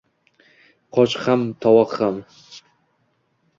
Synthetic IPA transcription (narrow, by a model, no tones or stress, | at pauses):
qʰɒt͡ʃχamt̪ʰɒwɒqχam